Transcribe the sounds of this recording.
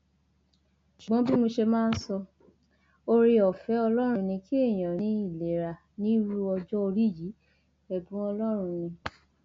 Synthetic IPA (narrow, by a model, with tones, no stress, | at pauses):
ʃu˨ɡ͡bɔ̃˨˦bi˦mo˧ʃe˧mãː˦˧n̩˦sɔ˧ | o˧ɾi˧ɔ˨fɛ˨˦ɔ˧lɔ˦ɾ̃ũ˧nĩ˧ki˦e˦˨j̃ã˨nĩ˧˦i˦˨le˨ɾa˨ | nĩ˦ɾu˦ɔ˧d͡ʒɔ˦o˧ɾi˦˨ji˨˦ | ɛ˨bũ˨˦ɔ˧lɔ˦ɾ̃ũ˧nĩ˧